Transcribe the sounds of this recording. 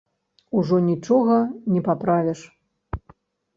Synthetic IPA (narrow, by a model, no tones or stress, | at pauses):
uʐɔnʲit͡ʂɔɣɐnʲɛpapɾavʲɛʂ